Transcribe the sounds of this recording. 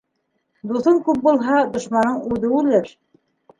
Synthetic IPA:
d̪uθɤŋkʉp̚bulˠɦɑd̪ŏʃmɑnːɤɴʉðɘʉlɘɾ

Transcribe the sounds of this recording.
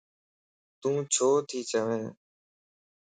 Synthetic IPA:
t̪ũːt͡ʃʰoːt̪ʰiːt͡ʃəʋẽː

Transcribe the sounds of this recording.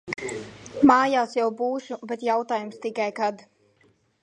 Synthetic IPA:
maːjaːsjawbuːʃubɛt̪jawt̪aːjumst̪ikajkad̪

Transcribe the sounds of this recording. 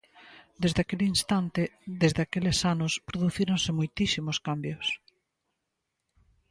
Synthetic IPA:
d̪ezðakelinst̪ant̪ɪðezðeakelesanʊspɾoðuθiɾõnsɪmojt̪isimoskambjʊs

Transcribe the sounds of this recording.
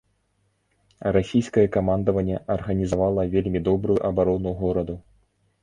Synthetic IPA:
ɾasʲijskɐjɛkamand̪ɐvɐnʲːɛʔɐrɣɐnʲizavalˠɐvʲelʲmʲid̪ɔbɾuuʔɐbaɾɔnuɣɔɾɐd̪u

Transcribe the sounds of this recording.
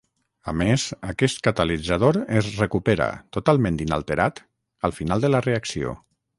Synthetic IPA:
amezəkɛst̪̚kat̪alid͡zaðoɾezrekupeɾa̰t̪ut̪alˠmẽnt̪ina̰lˠt̪eɾat̪ | əlˠfinalˠd̪ələreaksio̰

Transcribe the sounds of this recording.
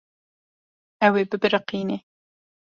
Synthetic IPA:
æweːbɨbɨɾɨqiːne

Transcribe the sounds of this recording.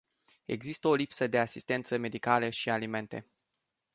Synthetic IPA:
e̞̰ɡzist̪əo̞lipsəd̪e̞asist̪e̞nt̪səme̞d̪ikaləʃialime̞nt̪e̞̰

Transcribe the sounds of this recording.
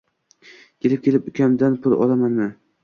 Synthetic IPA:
kʲʰelɪp̚kʲe̞lɪpʊkʲʰamd̪anpʰʊlˠɒ̰lˠamanmɪ

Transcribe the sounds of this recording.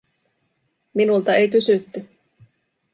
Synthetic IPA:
minult̪ɑe̞jkysyt̪ːy

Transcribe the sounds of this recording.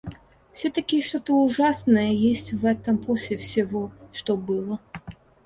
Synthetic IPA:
fsʲɔt̪ɐkʲiʂt̪ot̪əuʐasnəjəjesʲt͡sʲvɛt̪əmpɔsʲlʲɪfsʲɪvɔʂt̪ɔbɨlˠə

